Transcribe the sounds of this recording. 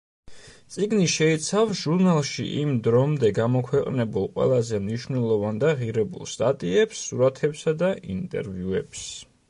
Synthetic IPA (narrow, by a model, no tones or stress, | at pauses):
sʼiɡniʃɛit̪sʰafsʒ̥uɾnalˠʃḭʔimd̪ɾɔmd̪ɛɡamɔkʰwɛqʼnɛbulˠqʼwɛ̰lˠazɛmniʃvnɛlˠɔvand̪aʁiɾɛbṵlˠst̪ʼat̪ʼiɛpsːuɾat̪ʰɛpsad̪aint̪ʼɛ̰ɾviuɛps